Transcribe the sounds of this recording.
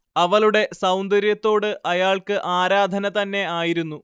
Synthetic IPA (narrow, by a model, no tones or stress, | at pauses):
ɐʋɐɭuɽe̞sɐwnd̪ɐɾjɐt̪ːo̞ːɽɨʔɐjaːɭkɨʔaːɾaːd̪ʱɐnɐt̪ɐnːe̞aːjiɾunːu